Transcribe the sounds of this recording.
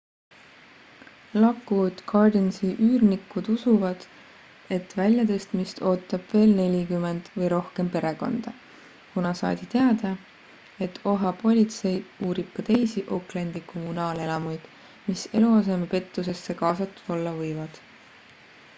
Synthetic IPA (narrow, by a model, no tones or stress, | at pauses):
lɑkːud̪̥ɡʰɑrd̪ensiʔyːrnikːud̪usuvɑd̪̥ | e̞t̪vælʲjɑd̪e̞st̪mist̪ʰo̞ːt̪ːˑɑb̥ve̞ːlne̞lʲikyme̞nd̪̥vɤjɾo̞hke̞mpe̞ɾe̞ko̞̰nd̪̥ɑ | kunɑsɑ̰ːd̪it̪e̞ɑd̪̥ɑ | e̞t̪ːˑo̞ɦɑpo̞lʲit̪se̞juːɾib̥̚kɑt̪e̞jsiʔo̞klend̪̥iko̞munɑːle̞lɑmujd̪̥ | mise̞luɑs̬e̞mepe̞t̪ːˑus̬e̞sːe̞kɑːsɑt̪ˑːu̥d̪̥o̞lːɑvɤjvɑd̪̥